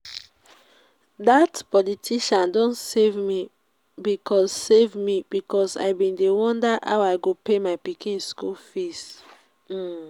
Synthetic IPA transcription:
datpɔlitʰiʃãndõnsevmi | bikʰɔssevmibikɔsa̰ɪbĩndewɔ̃ndaʔa̰waɪɡopemaɪpikĩskulfist̩

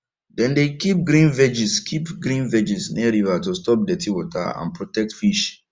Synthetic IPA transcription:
dɛ̃ndekip̚ɡɾĩnvɛd͡ʒiskʰipɡɾĩnvɛd͡ʒisniaɾivatostɔp̚dɛtʰiwɔtʰa̰ã̰npɹotɛk̚tfiʃ

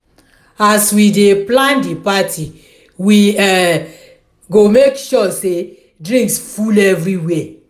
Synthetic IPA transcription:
aswideplãndipatʰi | wiɛ | ɡomekʃɔse | dɹĩŋksfulɛvɹiwe

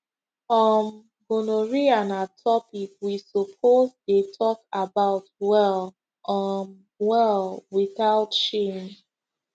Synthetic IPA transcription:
fɔm | ɡonoɹianatʰɔpikwisɔpʰozdetʰɔkabaʊtwɛl | ʔɔn | wɛlwiθaʊtʃe

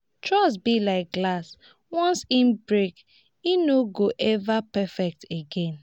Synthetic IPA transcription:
tɹɔs̬bilaɪk̚ɡlas | wɔ̃nsim̩bɹek | inoɡoʔɛvapɛfɛk̚teɡẽn

